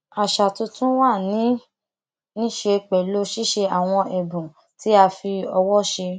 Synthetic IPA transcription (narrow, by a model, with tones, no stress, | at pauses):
a˨ʃa˨tũ˧tũ˦wa˦˨nĩ˨˦ | nĩ˦ʃe˧k͡pɛ˨lo˦ʃi˦ʃe˧a˨w̃ɔ̃˧ʔɛ˨bũ˨ | ti˨˦a˧fi˧ɔ˧wɔ˦ʃe˧